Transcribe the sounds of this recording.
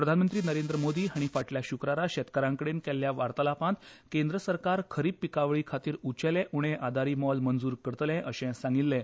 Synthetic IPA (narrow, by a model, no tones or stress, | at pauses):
pɾəd̪ʱanmənt̪ɾiːnəɾend̪ɾəmod̪iːɦaɽ̃ifaʈljaɕukɾaɾaɕɛt̪kəɾãŋkəɽenkɛlːjaʋaɾt̪əlapãt̪kend̪ɾəsəɾkaɾkʰəɾiːppikaʋɭiːkʰat̪iːɾut͡ɕɛlɛʔuɽ̃ẽʔad̪ʱaɾiːmɔlmənd͡zuːɾkəɾt̪lɛ̃ʔəɕɛ̃sãŋɡilːɛ̃